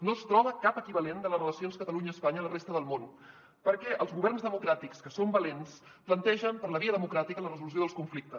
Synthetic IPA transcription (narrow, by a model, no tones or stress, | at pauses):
nost̪ɾɔβəkapəkiβəlend̪ələrələsionskət̪əluɲəːspaɲələrest̪əðəlˠmon | pəɾkɛʔəlˠzɣuβɛrnzðəmukɾat̪ikskəsombəlens | plənt̪ɛʒəmpəɾləβ̞iəðəmukɾat̪ikələrəzulusioðəskuɱflik̚t̪əs